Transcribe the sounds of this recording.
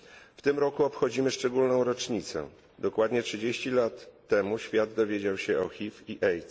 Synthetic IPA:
ft̪ɘmɾɔkuɔpxɔd͡ʑimɘʂt͡ʂɛɡulnɔ̃w̃ɾɔt͡ʂɲit̪sɛ̰ | d̪ɔkwad̪ɲɛtʂɘd͡ʑeɕt͡ɕilat̪ːɛmuɕfʲjad̪d̪ɔvʲjed͡ʑawɕɛɔxʲifiʔɛj̪s

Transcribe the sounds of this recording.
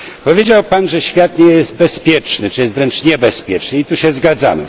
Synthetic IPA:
pɔvʲjed͡ʑawpanʐɛɕfʲjat̪ɲɛjɛst̪̚bɛspʲjɛt͡ʂnɘt͡ʂɨjɛst̪vɾɛnt͡ʂɲɛbɛspʲjɛt͡ʂnɘit̪uɕɛzɡad̪za̰mɘ̰

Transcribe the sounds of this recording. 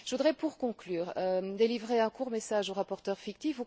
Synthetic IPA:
ʒəvud̪ʁɛpuʁkɔ̃klyːʁød̪elivʁeɛ̃kuʁmesaʒoʁapɔʁt̪œʁfik̚t̪ifu

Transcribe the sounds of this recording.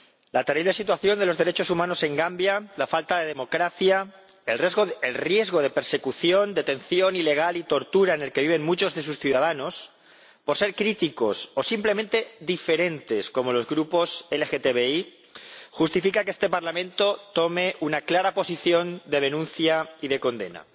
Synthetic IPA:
lat̪e̞riβle̞sit̪waθjo̞nd̪e̞lo̞zðeɾe̞t͡ʃo̞sumãno̞se̞ŋɡambjalafalt̪aðe̞ð̞e̞mo̞kɾaθja | elrezɣoelrje̞zɣ̞o̞ðe̞pe̞ɾse̞kuθjo̞nd̪e̞t̪e̞n̟θjo̞nile̞ɣ̞alit̪o̞ɾt̪uɾaenelke̞βiβ̞e̞ŋmut͡ʃo̞zðe̞susθjuðaðano̞s | poɾse̞ɾkɾit̪iko̞so̞simple̞mẽnt̪e̞ðife̞ɾe̞nt̪e̞sko̞mo̞lo̞zɣɾupo̞selexe̞t̪eβei | xust̪ifikakeest̪e̞paɾlamẽ̞nt̪o̞t̪o̞me̞ʔunaklaɾapo̞siθjo̞nd̪eð̞e̞nũn̟θjaiðe̞ko̞nd̪e̞̰na̰

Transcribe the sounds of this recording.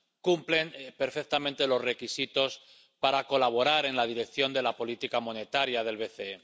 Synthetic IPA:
kumple̞npe̞ɾfe̞k̚t̪amẽ̞nt̪e̞lo̞zre̞kisit̪o̞s | paɾako̞laβ̞o̞ɾaɾe̞nlað̞iɾe̞kθjo̞nd̪e̞lapo̞lit̪ikamo̞ne̞t̪aɾjað̞e̞lβe̞θe

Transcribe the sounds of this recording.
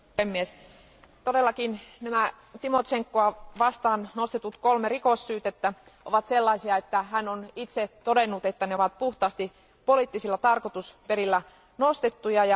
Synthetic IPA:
emːies | t̪odelːɑkinnæmæ | t̪imot̪seŋkːoɑʋɑst̪ɑːnnost̪et̪ut̪kolmerikossyːt̪et̪ːæ | o̰ʋɑt̪selːɑisiɑet̪ːæhænonit̪set̪odenːut̪et̪ːæneoʋɑt̪̚puht̪ɑːst̪i | polit̪ːisilːɑt̪ɑrkot̪usperilːæ | nost̪et̪ːujɑjɑ

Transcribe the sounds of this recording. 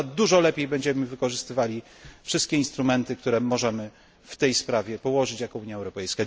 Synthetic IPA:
d̪uʐɔlɛpʲjejbɛɲd͡ʑɛmɘvɘkɔʐɘst̪ɘvalʲi | fʂɘst̪̚kʲɛinst̪ɾumɛnt̪ɘk̚t̪uɾɛmɔʐɛmɘ | ft̪ɛjspɾavʲjɛpɔwɔʐɘt͡ɕjakɔuɲjaɛwɾɔpɛjska

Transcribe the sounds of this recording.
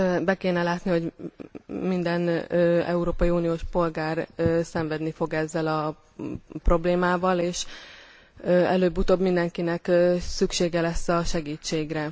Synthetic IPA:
bɛkeːnɛlaːt̪niho̞ɟ | mind̪ɛnøɛ̰uɾoːpɒjiuːnijoːʃpo̞lɡaːrøsɛɱvɛd̪nifo̞ɡɛzːɛlɒ | pro̞bleːmaːvɒleːʃ | øɛløːbut̪o̞bmind̪ɛŋkinɛkøsykʃeːɡɛlɛsːɒʃɛɡiːt͡ʃːeːɡrɛ

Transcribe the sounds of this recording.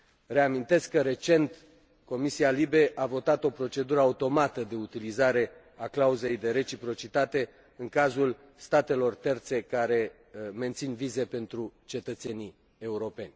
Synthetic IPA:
re̞amint̪e̞skkːəɾe̞t͡ʃe̞nt̪ | ko̞misialibe̞ʔavo̞t̪at̪o̞pɾo̞t͡ʃe̞d̪uɾəaut̪o̞mat̪əd̪e̞ut̪ilizaɾe̞ | aklauze̞jd̪e̞ɾe̞t͡ʃipɾo̞t͡ʃit̪at̪e̞ | ɨŋkazul | st̪at̪e̞lo̞rt̪e̞rt̪se̞kaɾe̞ | ment̪sinvize̞pe̞nt̪ɾut͡ʃe̞t̪ət̪se̞ni | e̞uɾo̞pe̞nʲ

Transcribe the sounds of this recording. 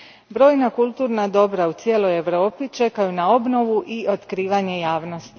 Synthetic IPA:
bɾo̞ːjnakulˠt̪uːɾnad̪o̞bɾaut̪sʲje̞ːlo̞je̞ʋɾo̞ːpit͡ʃe̞kajunao̞bno̞ʋuʔio̞t̪kɾiːʋaɲe̞jaːʋno̞st̪i

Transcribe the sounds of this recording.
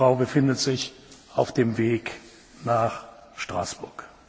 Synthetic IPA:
ʁ̥aʊbəfɪndətz̥ɪç | aʊfd̥eːmveːk | naːχ | ʃtʁ̥a̰ːsb̥ʊɐk

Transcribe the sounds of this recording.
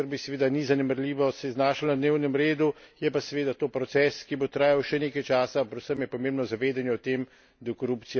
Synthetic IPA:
əɾbisɛʋeːd̪anizanɛmaɾlʲiːʋɔsɛznaːʃalnad̪neːwnɛmɾeːd̪ujɛpasɛʋeːd̪at̪oːpɾɔt̪sɛskibot̪ɾaːjawʃɛneːkajt͡ʃaːsapɾɛd̪wsəmjɛpɔmẽːmbnɔzaʋeːd̪anjɛɔt̪eːm | d̪ɔkɔɾupt̪si

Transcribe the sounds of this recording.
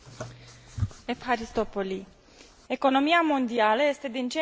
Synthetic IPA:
efaɾist̪o̞po̞li | e̞ko̞no̞miamo̞nd̪ialəje̞st̪e̞d̪int͡ʃe

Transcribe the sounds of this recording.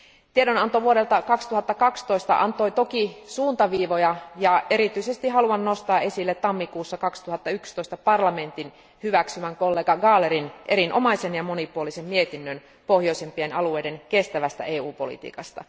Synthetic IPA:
t̪ieɾonɑnt̪oʋuoɾelt̪ɑkɑkst̪uhɑt̪ːɑkɑkst̪oist̪ɑ̰ʔɑ̰nt̪ojt̪okisuːnt̪ɑʋiːʋojɑjɑe̞ɾit̪yisest̪iɦɑluɑnnost̪ɑːe̞silːet̪t̪ɑmːikuːsːɑkɑkst̪uhɑt̪ːɑykst̪oist̪ɑpɑrlɑme̞nt̪in | hyʋæksymæŋkolːeːɡɑɡɑːleɾinʔeɾinʔo̰mɑisenjɑmonipuolisemmiet̪inːøn | pohjoisempienɑluejdenkest̪æʋæst̪æ̰ʔeːuːpo̞lḭt̪ḭːkɑst̪ɑ̰

